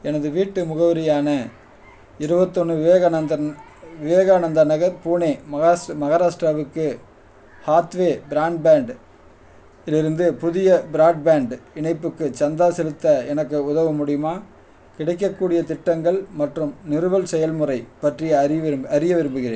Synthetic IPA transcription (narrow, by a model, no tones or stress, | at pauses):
ɛnɐðɯʋiːʈːɯmʊɣɐʋɐɾɪjaːnɐ | ɪɾɯbɐt̪ːɔnːɯʋɪʋɐɣɐɐ | ʋɪʋɐːɣaːnɐnd̪ɐnɐɣɐɾpuːneːmɐmɐɣɐɾaːʂʈɾaʋɯkːɯ | haːt̪ʋeːbɪɾaːɳɖ̚baːɳɖ | ɪlɪɾɯnd̪ɯpʊðɪjɐbɪɾaːɖ̚baːɳɖɪɳɐɪpːɯkːɯt͡ʃɐnd̪aːsɛlɯt̪ːɐɛnɐkːɯʊðɐʋɯmʊɽɪjɯmaː | kɪɽɐɪk̬ːɐkːuːɽɪjɐt̪ɪʈːɐŋɡɐɭmɐʈrɯmnɪɾɯʋɐlsɛjɐlmʊrɐɪpɐʈrɪjɐɾɪɐɾɪjɐʋɪɾɯmbɯɣɪɾḛːn